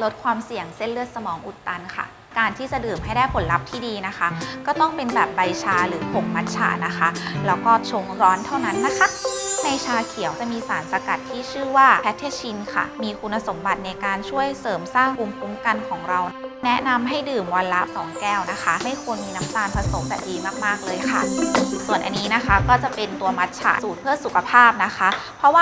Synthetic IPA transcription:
lo˦˥t̪̚kʰwaː˧msi˨˩əŋse˥˩nlɯ˥ət̪̚sa˧mɔː˩˦ŋʔu˨˩t̪ːa˧nkʰa̰˥˩ | kaː˧nt̪ʰiː˥˩t͡ɕa˨˩dɯː˨˩mɦa˥˩jdaː˥˩jpʰo˩˦nla˦˥p̚t̪ʰiː˥˩diː˧na˦˥kʰa˦˥kɔː˥˩t̪ɔ˥˩ŋpe˧nbɛː˨˩p̚ba˧jt͡ɕʰaː˧ɾɯː˩˦pʰo˨˩k̚ma˦˥t̪̚t͡ɕʰa̰ː˨˧˩na˦˥xʰa˦˥lɛː˦˥wkɔː˥˩t͡ɕʰo˧ŋɾɔː˦˥nt̪ʰa˥˩wna˦˥nːa˦˥kʰa˥˩na˧jt͡ɕʰaː˧kʰi˩˦əwt͡ɕa˨˩miː˧saː˨˩˦nsa˧ka˨˩t̪ʰːiː˥˩t͡ɕʰɯː˥˩waː˥˩pʰɛ˦˥t̪ʰːeː˧˥t͡ɕʰi˧nkʰa̰˥˩miː˧kʰu˧nːa˧so˩˦mba˨˩t̪̚na˧jkaː˧nt͡ɕʰu˥˩əjsɤː˨˩˦msaː˥˩ŋku˧mpʰu˦˥mka˧nkʰɔː˩˦ŋɾa˧wnɛ˦˥ʔna˧mɦa˥˩jdɯː˨˩mwa˧nla˦˥ʔsɔː˨˩˦ŋkɛː˥˩wna˦˥xʰa˦˥ma˥˩jkʰu˧ənmiː˧na˦˥mt̪aː˧npʰa˧so˩˦mt̪ɛ̰˨˩ʔiː˨˩k̚maː˥˩k̚maː˥˩k̚lɤː˧jkʰa̰˥˩su˨˩ənʔa̰˧nːiː˦˥na˦˥kʰa˦˥kɔː˥˩t͡ɕa˨˩pe˧nt̪u˧ɐma˦˥t̪̚t͡ɕʰa̰ː˨˩suː˨˩t̪̚pʰɯ˥˩ɐəsu˨˩kʰa˧pʰaː˥˩p̚na˦˥kʰa˦˥pʰɾɔ˦˥waː˥

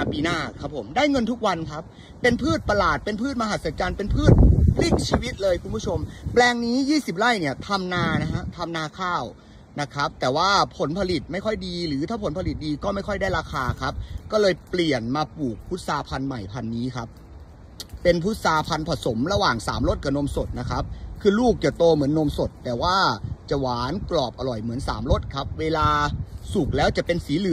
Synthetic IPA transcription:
a˧piː˧naː˥˩kʰa˦˥pʰːo˩˦mdaː˥˩jŋɤ˧nt̪ʰu˦˥k̚wa˧nkʰa˦˥p̚ː | e˧npʰɯː˥˩t̪̚pa˧laː˨˩t̪̚pe˧npʰɯː˥˩t̪̚ma˧ɦa˨˩sa˨˦t͡ɕaː˧npe˧npʰɯː˥˩t̪̚pʰli˥˩k̚t͡ɕʰiː˧wi˦˥t̪̚lɤː˧jkʰu˧npʰu˥˩o˧mplɛː˧ŋniː˦˥jiː˥˩si˨˩p̚ɾa˥˩jni˥˩ɐt̪ʰa˧mnaː˧na˦˥kʰa˦˥t̪ʰa˧mnaː˧kʰaː˥˩w | na˦˥kʰa˦˥p̚t̪ɛː˨˩waː˥˩pʰo˩˦npʰa˧li˨˩t̪̚ma˥˩jkʰɔ˥˩jdiː˧ɾɯː˩˦t̪ʰaː˥˩pʰo˩˦npʰa˧li˨˩t̪̚diː˧kɔː˥˩ma˥˩jkɔ˥˩jdaː˥˩jɾaː˧xʰaː˧kʰa˦˥p̚kɔː˥˩lɤː˧jpli˨˩ənmaː˧puː˨˩k̚pʰu˦˥t̪̚saː˧pʰa˧nma˨˩jpʰa˧nːiː˦˥kʰa˦˥p̚ː | e˧npʰu˦˥t̪̚saː˧pʰa˧npʰa˧˩so˩˦mɾa˧waː˨˩ŋsaː˩˦mlo˥˩t̪̚ka˨˩no˧mso˨˩t̪̚na˦˥kʰa˦˥p̚kʰɯː˧luː˥˩k̚t͡ɕa˨˩t̪oː˧mɯ˩˦ənːo˧mso˨˩t̪ːɛː˨˩waː˥˩t͡ɕa˨˩waː˩˦nklɔː˨˩p̚ʔa˧ɾɔ˨˩jmɯ˩˦ənsa̰ː˩˦mlo˥˩t̪̚kʰa˦˥p̚weː˧laː˧su˨˩k̚lɛː˦˥wt͡ɕa˨˩pe˧nsiː˩˦lɯ˨˩˦

